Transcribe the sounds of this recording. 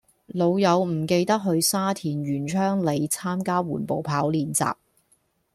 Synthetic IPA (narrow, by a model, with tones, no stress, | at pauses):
lo˨˧wjɐ˨˧wm̩˨˩ke˧jt̪ɐ˥k̚ɦɵ˧ɥsaː˥t̪ʰiː˨˩nɥyː˨˩nt͡ʃʰœː˥ŋle˨˧jt͡sʰaː˥mkaː˥wṵː˨˩npo˨wpʰaː˨˥wliː˨nt͡sa̰ː˨p̚